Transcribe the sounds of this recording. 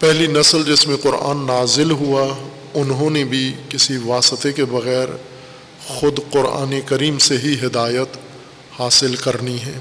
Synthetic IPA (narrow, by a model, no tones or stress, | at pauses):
pɛɦlinɐsəld͡ʒɪsmẽqʊɾa̰ːnːaːzɪlɦua | ʊnɦõnebʱikɪsiʋaːsɪt̪ekebɐɣɛːɾ | xʊd̪qʊɾa̰ːnekɐɾiːmseɦiɦɪd̪aːjət̪ | haːsɪlkɐɾniɦɛ̃ː